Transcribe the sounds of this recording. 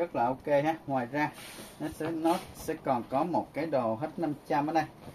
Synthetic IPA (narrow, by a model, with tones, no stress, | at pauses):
ə˦˥t̚laː˨˩ʔo˧wke˧haː˦˥t̚ŋwaː˨˩jzaː˧nɔ˨˦sɛ̰˧˥nɔ˨˦sɛ̰˧˥kɔ˨˩nkɔ˨˦mo˨˩t̚kaː˨˦jɗo˨˩ɦe˦˥t̚na˧mt͡ɕa˧mʔəː˨˦nɗa˧j